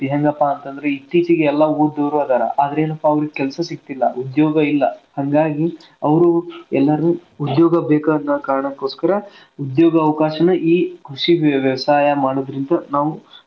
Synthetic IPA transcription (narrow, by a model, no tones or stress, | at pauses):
biɦɐŋɡɐpːaːnt̪ɐnd̪ɐɾeit̪ːiːt͡ʃiɡeːlːɐuːɖd̪oːɾʋaːd̪aːɾɐ̰ʔaːd̪ɐɾe̞ːnɐpːɐːʋɐɾiɡekɛlsɐsik̚t̪ilːɐud̪joːɡɐilːɐhɐŋɡaːɡi | ɐʋɐɾuɛlːɐɾɐnuud̪joːɡɐbeːkaɐnːɐkaːɾɐɳɐkːoːskɐɾɐ | ud̪joːɡɐːʋkaːʃɐnuʔiːkʰɾuʂiʋjɐʋɐsaːjɐmaːɽod̪ɾind̪ɐnaːʋu